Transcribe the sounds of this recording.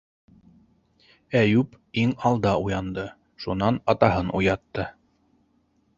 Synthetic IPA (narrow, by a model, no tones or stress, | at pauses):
æjʉp | iŋɑlˠd̪ɑujɑnd̪ɤ | ʃunɑnɑt̪ɑɦɤnʔṵjɑt̪ːɤ